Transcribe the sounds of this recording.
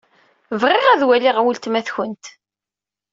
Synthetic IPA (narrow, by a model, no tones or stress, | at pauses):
vʁɪʁæðwæliʁwəlt̪mæθçənt̪